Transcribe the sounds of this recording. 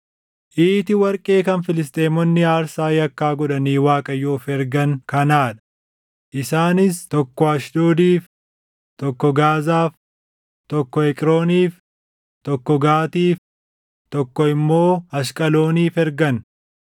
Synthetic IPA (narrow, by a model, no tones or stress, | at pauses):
ʔiːt̪ɪwɐɾkʼe̞ːkɐnfɪlɪs̬t̪ʼeːmɔnːɪaːɾsaːjɐkːaːɡɔᶑɐniːwaːkʼɐjːoːfɛɾɡɐŋkɐnaːᶑɐ̥ | ʔɪsaːnɪst̪ɔkːɔɐʃd̪oːd̪iːf | t̪ɔkːɔɡaːzaːf | t̪ɔkːɔɛkʼɪɾoːniːf | t̪ɔkːɔɡaːt̪iːf | t̪ɔkːɔɪmːo̞ːɐʃkʼɐlo̞ːniːfɛɾɡɐn